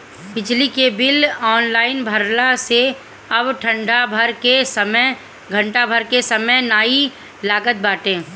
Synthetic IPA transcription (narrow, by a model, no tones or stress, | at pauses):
pɪt͡ʃʰlikebɪlɔːnlaːɪnbʱəɾlãse | ɐbʈʰə̃ɳɖabʱəɾkesəmə | ɡʱə̃ɳʈabʱəɾkesəməjnaːi | laːɡət̪̚baːʈẽː